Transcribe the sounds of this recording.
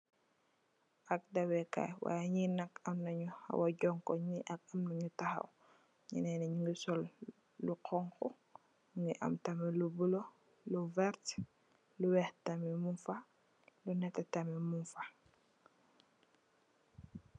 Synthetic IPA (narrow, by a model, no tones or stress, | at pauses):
ʔak̚dawɛka̰jwa̰jaɲinakamnaɲuha̰waɟɔŋkɔɲiʔak̚amnaɲutaha̰w | ɲḭnɛnɛɲuŋɡisɔl | luqɔŋkɔ | ɲuŋɡiʔa̰mtamɛlubulo | luvɛɾt | luwɛhtamɛmunfa | lunɛtɛtamɛmunfa